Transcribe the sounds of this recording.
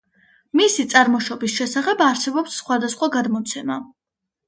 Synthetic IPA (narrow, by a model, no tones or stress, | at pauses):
misit̪sʼaɾmɔʃɔbisʃɛsaχɛbaɾsɛbɔpsːχwad̪asχwaɡad̪mɔt̪sʰɛma̰